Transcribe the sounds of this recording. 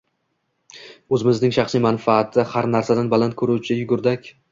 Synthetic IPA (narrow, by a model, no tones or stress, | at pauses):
ɵzɪmɪznɪŋʃɑχsijmanfaːt̪ʰːɪhaɾnaɾsad̪anbalant̪̚kʰɵɾuwt͡ʃʰɪjʊɡʊɾd̪akʲ